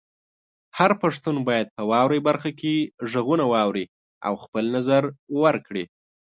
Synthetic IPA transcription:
haɾpaʂt̪unbɑjad̪̚pəwɑwɾajbaɾxakeʒəɣunawɑwɾi | a̰wxpəlnazaɾwəɾkɽi

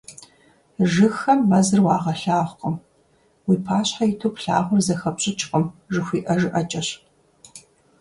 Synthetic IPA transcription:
ʒɨxɐmːɐzɨrwɑːʁɐɬaːʁʷqʼəm | wiːpʰaːɕħajɪtʰoːpɬa̰ːʁʷʊrzɐxɐpɕʼɪt͡ʃʼqʼəmʒɨxʷiːʔɐʒɨʔɐt͡ʃʼɐɕ

